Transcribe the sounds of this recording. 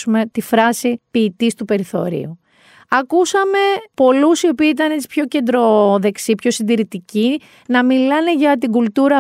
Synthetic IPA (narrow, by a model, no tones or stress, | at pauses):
ume̞t̪ifɾɐsipiːt̪ist̪upe̞ɾiθo̞̰ɾḭu | ɐkusɐme̞po̞lusio̞piːit̪ɐne̞t͡ssi̥pço̞ce̞nd̪ɾo̞ðe̞ksipço̞sind̪iɾit̪ici | nɐmilɐne̞ʝɐt̪iɡult̪uɾɐ